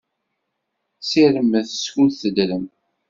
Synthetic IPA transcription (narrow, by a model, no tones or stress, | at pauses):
siɾəmːəðəskuθəd̪ləm